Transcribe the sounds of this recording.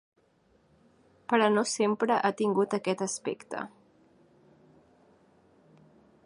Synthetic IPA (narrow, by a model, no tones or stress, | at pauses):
pəɾənosempɾəʔat̪iŋɡut̪əkɛt̪əspḛkt̪ə̰